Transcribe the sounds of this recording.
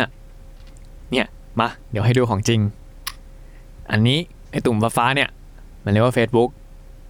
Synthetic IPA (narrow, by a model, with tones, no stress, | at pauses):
ni˥˩ɐ | ma˧di˨˦ɦa˥˩jduː˧kʰɔː˨˩˦ŋt͡ɕi˧ŋ | ʔa̰˧nːiː˦˥ | ʔa˧˩jt̪uː˨˩mfaː˧faː˦˥ni˥˩ɐ | ma˧˩˨lːwa˥˧˩feː˦˥t̪̚bu˦˥k̚